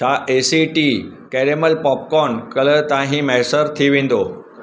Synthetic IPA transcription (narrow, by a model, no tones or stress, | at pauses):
aʔesiʈikɛɾeməlpɔp̚kɔnkələt̪ãɦĩmɛɦsəɾt̪ʰiʋĩnd̪o